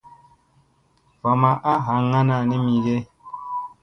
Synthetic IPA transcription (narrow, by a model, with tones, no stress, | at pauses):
va˨ma˨ʔa˦ɦa˨˦ŋa˦na˨ni˦mi˨ɡe˦